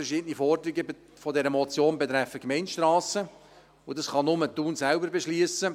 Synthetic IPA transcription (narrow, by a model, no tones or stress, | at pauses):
əɾʃɪːdənifɔrd̪ɾiɡə | fɔdɛɾəmɔt͡sjoːnbɛt̪ɾɛfəkmɛɪnʃtrɑːsə | ʊdɑsχɑnʊmət̪ːuːnsælbəɾbɛʃlyəsə